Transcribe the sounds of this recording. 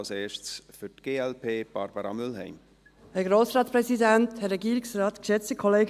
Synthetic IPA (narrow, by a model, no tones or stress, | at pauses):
lseːʃsfytɡ̥eːɛlpʰeːb̥ɑɾbəɾɑ̰mʏlɦɛ̰ɪm | hɛɡɾoːsɾɑːtspɾɛsidænthəɾɛɡiːɾɪksrɑːtkʃɛt͡stəkʰɔleːɡ